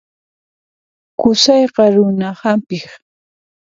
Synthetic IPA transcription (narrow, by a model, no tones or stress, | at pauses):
kʊsɑjqɑɾʊnahampɪx